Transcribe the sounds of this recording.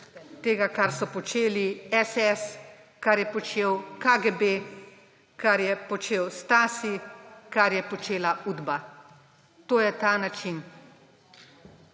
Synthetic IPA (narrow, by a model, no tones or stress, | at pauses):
t̪eːɡakaɾsɔpɔt͡ʃeːliɛsɛs | kaɾjɛpɔt͡ʃeːwkaɡebe | kaɾjɛpɔt͡ʃeːwst̪aːsikaɾjɛpɔt͡ʃeːlauːd̪ba | t̪oːjɛt̪aːnat͡ʃin